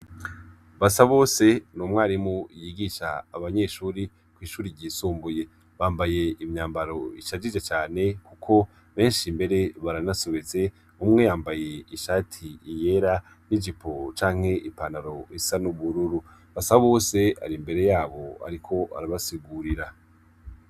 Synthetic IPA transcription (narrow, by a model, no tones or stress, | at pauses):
βasaβo̞ːse̞numŋwaɾimojiɡiʃa̰ːβaɲe̞ʃuːɾi | kwiːʃuːɾiɾɟiːsuːmbuje̞ | βaːmbaje̞imɲaːmbaɾo̞iʃad͡ʒid͡ʒet͡ʃaːne̞kukʰo̞ | βe̞ːnʃimbe̞ɾe̞βaɾanasoβeze̞ | umŋe̞jaːmbaje̞iʃaːtʰiːjeɾa | nid͡ʒipʰo̞t͡ʃaːŋ̥he̞ʔipanaɾo̞isanuβuɾuɾu | βasaβo̞ːse̞a̰ɾimbe̞ɾe̞jaːβo̞a̰ɾikʰo̞a̰ɾaβasiɡuɾiɾa